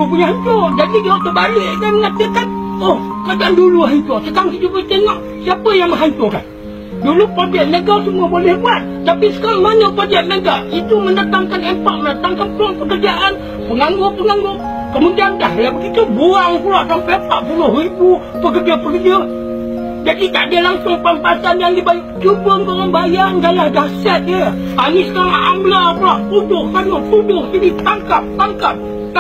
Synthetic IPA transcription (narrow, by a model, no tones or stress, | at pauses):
puɲaɦaɲt͡ʃʊd͡ʒadiɡat̪əbalɪʔkaməŋat̪əkanohəkad͡ʒaʔanduluaɦit̪oʔsəkaŋsid͡ʒupət̪ɛŋɔʔ | siapəjaŋməɦaɲt͡ʃʊka̰n | dulupod͡ʒɛʔnəɡasəmuəbolɛhbuat̪ːapisə̥kaŋmanəpɾod͡ʒɛʔ̪̚nəɡaʔit̪umənat̪aŋkanempaʔmənat̪aŋkanploŋpəkərd͡ʒaʔan | pəŋaŋɡʊpəŋaŋɡʊʔ̚ | kəmudiandaɦlabəɡit̪uboaŋkulaʔsampepaʔpulʊɦribu | pəkərd͡ʒapəkərd͡ʒə | d͡ʒadit̪aʔdiəlaŋsʊŋpampasanjaŋdibajkd͡ʒubəŋɡoŋanbajaŋɡajahdasat̪̚ə | anisəkaɾaŋamblakulaʔpudʊhkanoʔt̪udʊhsinit̪aŋkap̚t̪aŋkap̚